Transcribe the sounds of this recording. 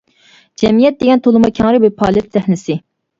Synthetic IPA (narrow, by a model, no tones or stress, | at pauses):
d͡ʒɛmijɛt̪̚d̪eɡʲɛnt̪ʰolˠɨmɑkʲʰɛŋɾɪbɪpʰɑːlˠɛt̪zæhnɪsɪ